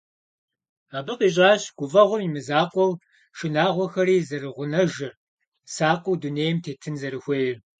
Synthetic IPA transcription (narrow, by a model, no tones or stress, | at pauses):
aːbɨqiːɕ̬ʼaːɕɡ̥ʷʊvɐʁʷʊmimɨzaːqʷʼɔw | ʃɨnaːʁʷɔxɐɾiːzɐrɨʁʷʊnɐʒɪr | saːqʷʼʊwduneːjɛmtʰeːtʰɨnzɐɾɨxʷejɛ